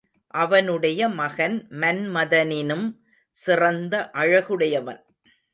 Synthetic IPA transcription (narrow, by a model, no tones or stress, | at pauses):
ʔɐʋɐnɯɽɐjɐmɐɣɐnmɐnmɐðɐnɪnɯm | sɪrɐnd̪ɐʔɐɻɐɣɯɽɐjɐʋɐ̰n